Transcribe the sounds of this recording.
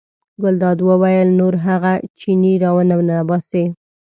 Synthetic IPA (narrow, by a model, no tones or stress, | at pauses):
ɡʊld̪ɑd̪wəwajəlnoɾɦaɣat͡ʃiniɾɑwənawnabɑse